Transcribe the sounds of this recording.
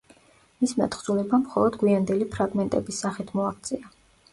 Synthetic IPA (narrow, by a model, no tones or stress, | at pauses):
misma̰t̪χzulɛbamχɔ̰lˠɔd̪ɡwiand̪ɛlipʰɾaɡmɛnt̪ʼɛbisːaχit̪ʰmɔak̚ʰt̪sʼɛa